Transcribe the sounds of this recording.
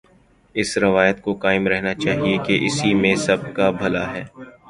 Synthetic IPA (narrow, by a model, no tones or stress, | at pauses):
ɪsɾɐʋaːjət̪kokaːɪmɾɛɦnat͡ʃaːɦiekeʔɪsimẽsɐb̚kabʱɐla̰ɦɛː